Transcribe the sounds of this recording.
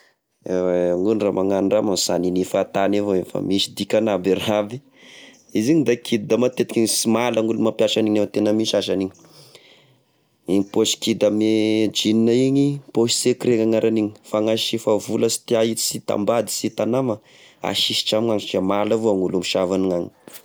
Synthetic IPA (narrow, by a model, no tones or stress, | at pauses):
eweŋulramaŋanɖ͡ʐamamsaninifat̪anevoefa̰miʃid̪ikʲanabiɾabi | iziɲid̪akʰid̪̚d̪amat̪et̪ikʲiŋisimalaŋulumapjaʃaniɲet̪enəmiʃaʃaniɲi | iɲipoʃi̥kid̪amed͡ʒininaiɲipoʃi̥sekiɾeŋaŋaɾaniɲi̥faŋaʃifavuləsi̥t̪iait̪i̥sit̪a̰mbad̪i̥sit̪anamə | a̰ʃiʃi̥ʈ͡ʂamiŋaŋt͡ʃiamalavoaŋulumiʃavaniŋaɲi